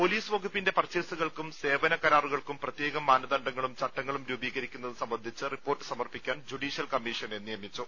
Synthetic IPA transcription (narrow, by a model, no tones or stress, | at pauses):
po̞liːsʋɐɡupːinde̞pɐrt͡ɕːelsuɣɐɭkumse̞ːʋɐnɐkɐɾaːruɣɐɭkumprɐt̪jeːɡɐmːaːnɐðɐɳɖɐŋːɐɭumt͡ɕɐʈːɐŋːɐɭumɾuːbiːɣɐɾikʲːunːɐðɨsɐmbɐnd̪ʱit͡ɕːɨripːoːrʈːɨ̥sɐmɐrpikʲːaːnd͡ʑuɽiːʂijɐlkɐmːiʂɐnenːijɐmit͡ɕːu